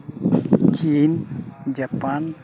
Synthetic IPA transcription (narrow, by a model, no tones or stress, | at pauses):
t͡ɕiːnd͡ʑapan